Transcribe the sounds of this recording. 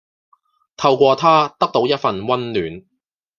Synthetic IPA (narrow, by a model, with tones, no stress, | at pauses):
t̪ʰɐ˧wkʷɔː˧t̪ʰaː˥t̪ɐ˥k̚t̪o˨˥wjɐ˥t̚fɐ˨nwɐ˥nlyː˨˩n